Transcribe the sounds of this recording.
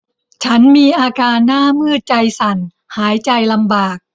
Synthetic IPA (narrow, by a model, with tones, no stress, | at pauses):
t͡ɕʰa˦˥nmiː˧ʔaː˧kaː˧nːaː˥˩mɯː˥˩t̪̚t͡ɕa˧jsa˨˩˦n | haː˩˦jt͡ɕa˧jla˧mbaː˨˩k̚